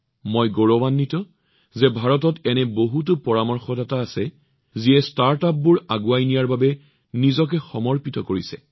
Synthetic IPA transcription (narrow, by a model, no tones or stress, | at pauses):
mojɡoɹɔbanːitɔ | zɛbʱaɹɔtɔtɛnɛboɦutupɔɹamɔɹxɔdataːsɛ | ziɛstaɹtap̚bʊɹaɡuajnijaɹbabɛ | nizɔk̬ɛxɔmɔɹpitɔkoɹisɛ̰